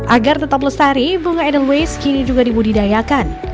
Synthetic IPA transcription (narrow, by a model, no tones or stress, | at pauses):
ʔaɡart̪ət̪ap̬ləst̪aɾibuŋaɛdəlwejskinid͡ʒuɡadibudidajakan